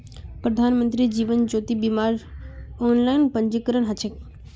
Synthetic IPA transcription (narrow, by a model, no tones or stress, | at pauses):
pɾəd̪ʱanmənt̪ɾid͡ʒiʋənd͡ʒoːt̪ibimaɾonlajnpəɲd͡ʒikəɾəɳɦət͡ʃʰek